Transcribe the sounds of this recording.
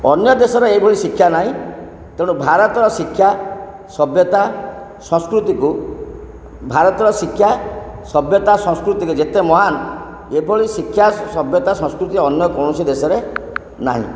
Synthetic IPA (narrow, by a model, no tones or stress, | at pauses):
ɔnjɔd̪esɔɾeebʱɔɭisikʰːjanaɦĩ | t̪eɽ̃ubʱaɾɔt̪ɔɾɔsikʰːja | sɔbjɔt̪a | sɔ̃skɾut̪iku | bʱaɾɔt̪ɔɾɔsikʰːjasɔbjɔt̪asɔ̃skɾut̪ikud͡ʒet̪emɔɦan | ebʱoɭisikʰːjasɔbjɔt̪asɔ̃skɾut̪iɔnjɔkɔɽ̃ɔsid̪esɔɾe | na̰ɦḭ̃